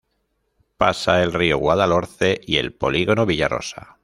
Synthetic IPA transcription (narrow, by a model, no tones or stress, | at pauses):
pasae̞lrioɣwaðalo̞ɾθe̞ʔie̞̰lpo̞liɣo̞noβiʎaro̞̰sa̰